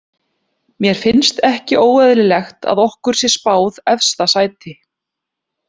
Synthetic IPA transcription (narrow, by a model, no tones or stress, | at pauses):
mjɛɾ̥fɪnst̪ɛhcɪʔoːwɛðɾɪlɛxt̪ʰa̰ðɔhkʏɾ̥sjɛ̥spaːwðɛfst̪asaːjt̪ɪ